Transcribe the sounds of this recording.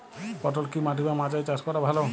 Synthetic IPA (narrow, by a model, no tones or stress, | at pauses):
pɔʈɔlkimaʈibamad͡ʒajt͡ʃaskɔɾabʱalɔ